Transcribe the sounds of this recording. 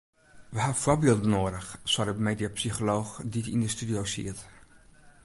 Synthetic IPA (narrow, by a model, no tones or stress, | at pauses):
ʋəhafʊbiːlˠdənoədəxswadəmeːdjapsixoloːxditḭndəstydijoːsḭət